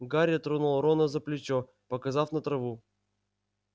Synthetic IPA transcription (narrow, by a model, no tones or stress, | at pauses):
ɡaɾʲɐt̪ɾonulˠɾonəzəplʲɪt͡ɕo | pəkɐzafnət̪ɾɐvu